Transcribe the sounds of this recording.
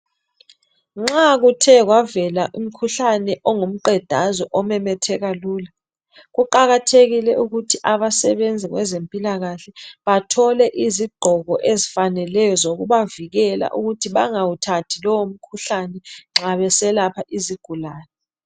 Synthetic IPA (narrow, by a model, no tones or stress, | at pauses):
ŋ͡ǁak̬utʰɛk̬wavɛlaʔum̩kʰuɬanɛʔɔŋum̩ǃɛd̥ʱazɔʔɔmɛmɛtʰɛɣ̬aluːla | ɣuǃaɣatʰeɣilɛʔuɣutʰiʔaɓasɛɓend͡zʱiɣwɛzempʼilaɣaɬɛɓatʰɔlɛʔiziɡ͡ǃʱɔɣɔʔezifanɛlɛjɔzok̬uɓaviɣ̬ɛla̰ʔuɣutʰiɓaŋawutʰatʰilɔwom̩kʰuɬanɛŋ͡ǁaɓɛsɛlapʰaʔiziɡ̥ʱulaːnɛ